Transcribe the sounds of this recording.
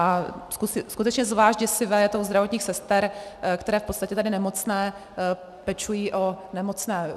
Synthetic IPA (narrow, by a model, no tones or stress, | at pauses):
askuskut̪ɛt͡ʃɲɛzvlaːʒɟɛsɪvɛːjɛt̪owzd̪ɾavo̞t̪ɲiːxsɛst̪ɛɾkt̪ɛɾɛːfpotst̪acɛt̪adɪnɛmo̞t͡snɛː | pɛt͡ʃujiːʔo̞nɛmot͡snɛː